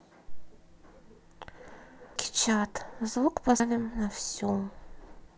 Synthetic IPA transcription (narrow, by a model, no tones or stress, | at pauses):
kʲɪ̥t͡ʃat̪zvukpavʲɪmnafsʲum